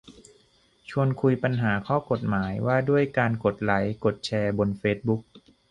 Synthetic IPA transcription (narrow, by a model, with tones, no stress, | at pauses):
t͡ɕʰu˧ənkʰu˧jpa˧nɦaː˩˦kʰɔː˥˩ko˨˩t̪̚maː˩˦jwaː˥˩du˥˩əjkaː˧nko˨˩t̪̚la˩˦jko˨˩t̪̚t͡ɕʰɛː˧bo˧nfeː˦˥t̪̚bu˦˥k̚